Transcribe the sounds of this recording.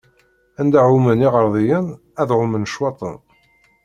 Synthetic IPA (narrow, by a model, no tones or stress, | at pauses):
ænd̪aʕuməniʁəɾˤðˤijən | æðʁʊmənʃwɑt̪ˤə̰n